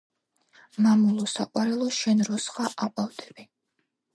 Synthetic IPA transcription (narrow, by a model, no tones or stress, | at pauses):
mamulˠɔsaqʼwaɾɛlˠɔʃɛnɾɔsχaʔaqʼawd̪ɛ̥bi